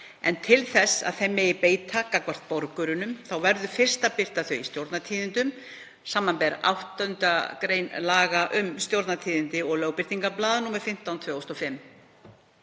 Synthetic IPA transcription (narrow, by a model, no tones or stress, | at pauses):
ɛ̰nt̪ʰɪlθɛsːa̰ðθɛmːɪɪpeːjt̪ʰakakvar̥t̪̚pɔɾkʏɾʏnʏmθawvɛɾðʏfɪr̥st̪apɪr̥t̪aθœɥist̪jowɾt̪nat̪ʰiːðɪnt̪ʏm | saːmːanpɛɾa̰wht̪œnt̪akɾeːjnlaːɣaʔʏmst̪jowɾt̪nat̪ʰiːðɪnt̪ɪɔɣlœwpɪr̥t̪iŋkaplaːðnumaðfɪm̥t̪awnt̪ʰvœːɔst̪ɔfɪmː